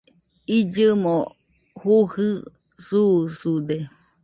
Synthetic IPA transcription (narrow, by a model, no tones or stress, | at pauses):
id͡ʒɨmo | huhɨ | susud̪e